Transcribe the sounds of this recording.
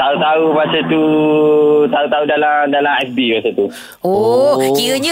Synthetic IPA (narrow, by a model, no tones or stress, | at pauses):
t̪aut̪aumasat̪u | t̪aut̪audalamdalamɛsbimasat̪u | okiɾəɲə